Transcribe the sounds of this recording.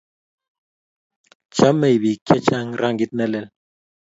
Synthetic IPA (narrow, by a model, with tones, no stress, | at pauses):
t͡ʃa˦mɛ˨jβi˨kjɛ˦t͡ʃa˦ŋɾa˦ŋɡi˦t̪̚nɛ˦lɛ˦˨l